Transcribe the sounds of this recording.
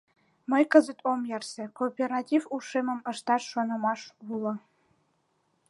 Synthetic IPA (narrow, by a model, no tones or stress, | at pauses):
mə̆jkə̆zə̆t̪ʰomjærsĕkopʲerɑtʲivuʂemə̆mə̆ʃt̪ɑʃʃonɤ̆mɑʃulˠɤ̆